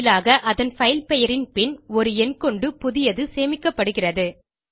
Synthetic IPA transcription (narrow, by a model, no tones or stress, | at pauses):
laːɣɐʔɐðɐnfɐɪlpɛjɐɾɪnpɪnɔɾɯɛnkɔɳɖɯpʊðɪjɐðɯseːmɪkːɐpːɐɽɯɣɪrɐðɯ